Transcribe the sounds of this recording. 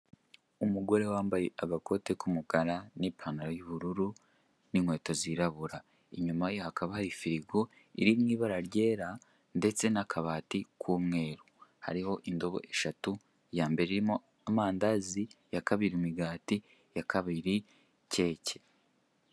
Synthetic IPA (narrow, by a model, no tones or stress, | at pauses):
umuɡo̞ɾe̞waːmbaje̞ʔaɡako̞te̞kumukaɾanipʰanaɾojuβuɾuɾu | niŋwe̞ːtoziɾaβuɾa | iɲumajohakaβahaɾifiɾiɡo̞ | iɾimŋiːβaɾaɾɟe̞ːɾa | nde̞t͡se̞nakʰaβaːtikʰwuːmŋe̞ːɾuha̰ɾiho̞ʔindo̞βo̞̰ʔe̞ʃatu | jaːmbe̞ɾeiɾimo̞ | amaːndazijakaβiɾimiɡaːti | jakaβiɾi | ce̞ːce̥